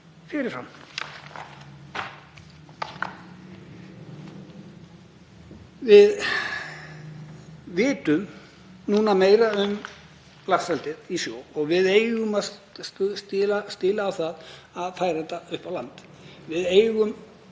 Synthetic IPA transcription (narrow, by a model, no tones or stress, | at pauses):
fɪɾɪɾ̥an | vɪð | vɪːt̪ʏm | nuːnameːjɾaʏm | lassɛlt̪ɪðisjowɔɣvɪðejɣʏmaðsst̪ɪːlast̪ɪːlaːwθaðaðfaːjɾaθɛt̪ːaʏhpawlant̪ | vɪðeːjɣʏm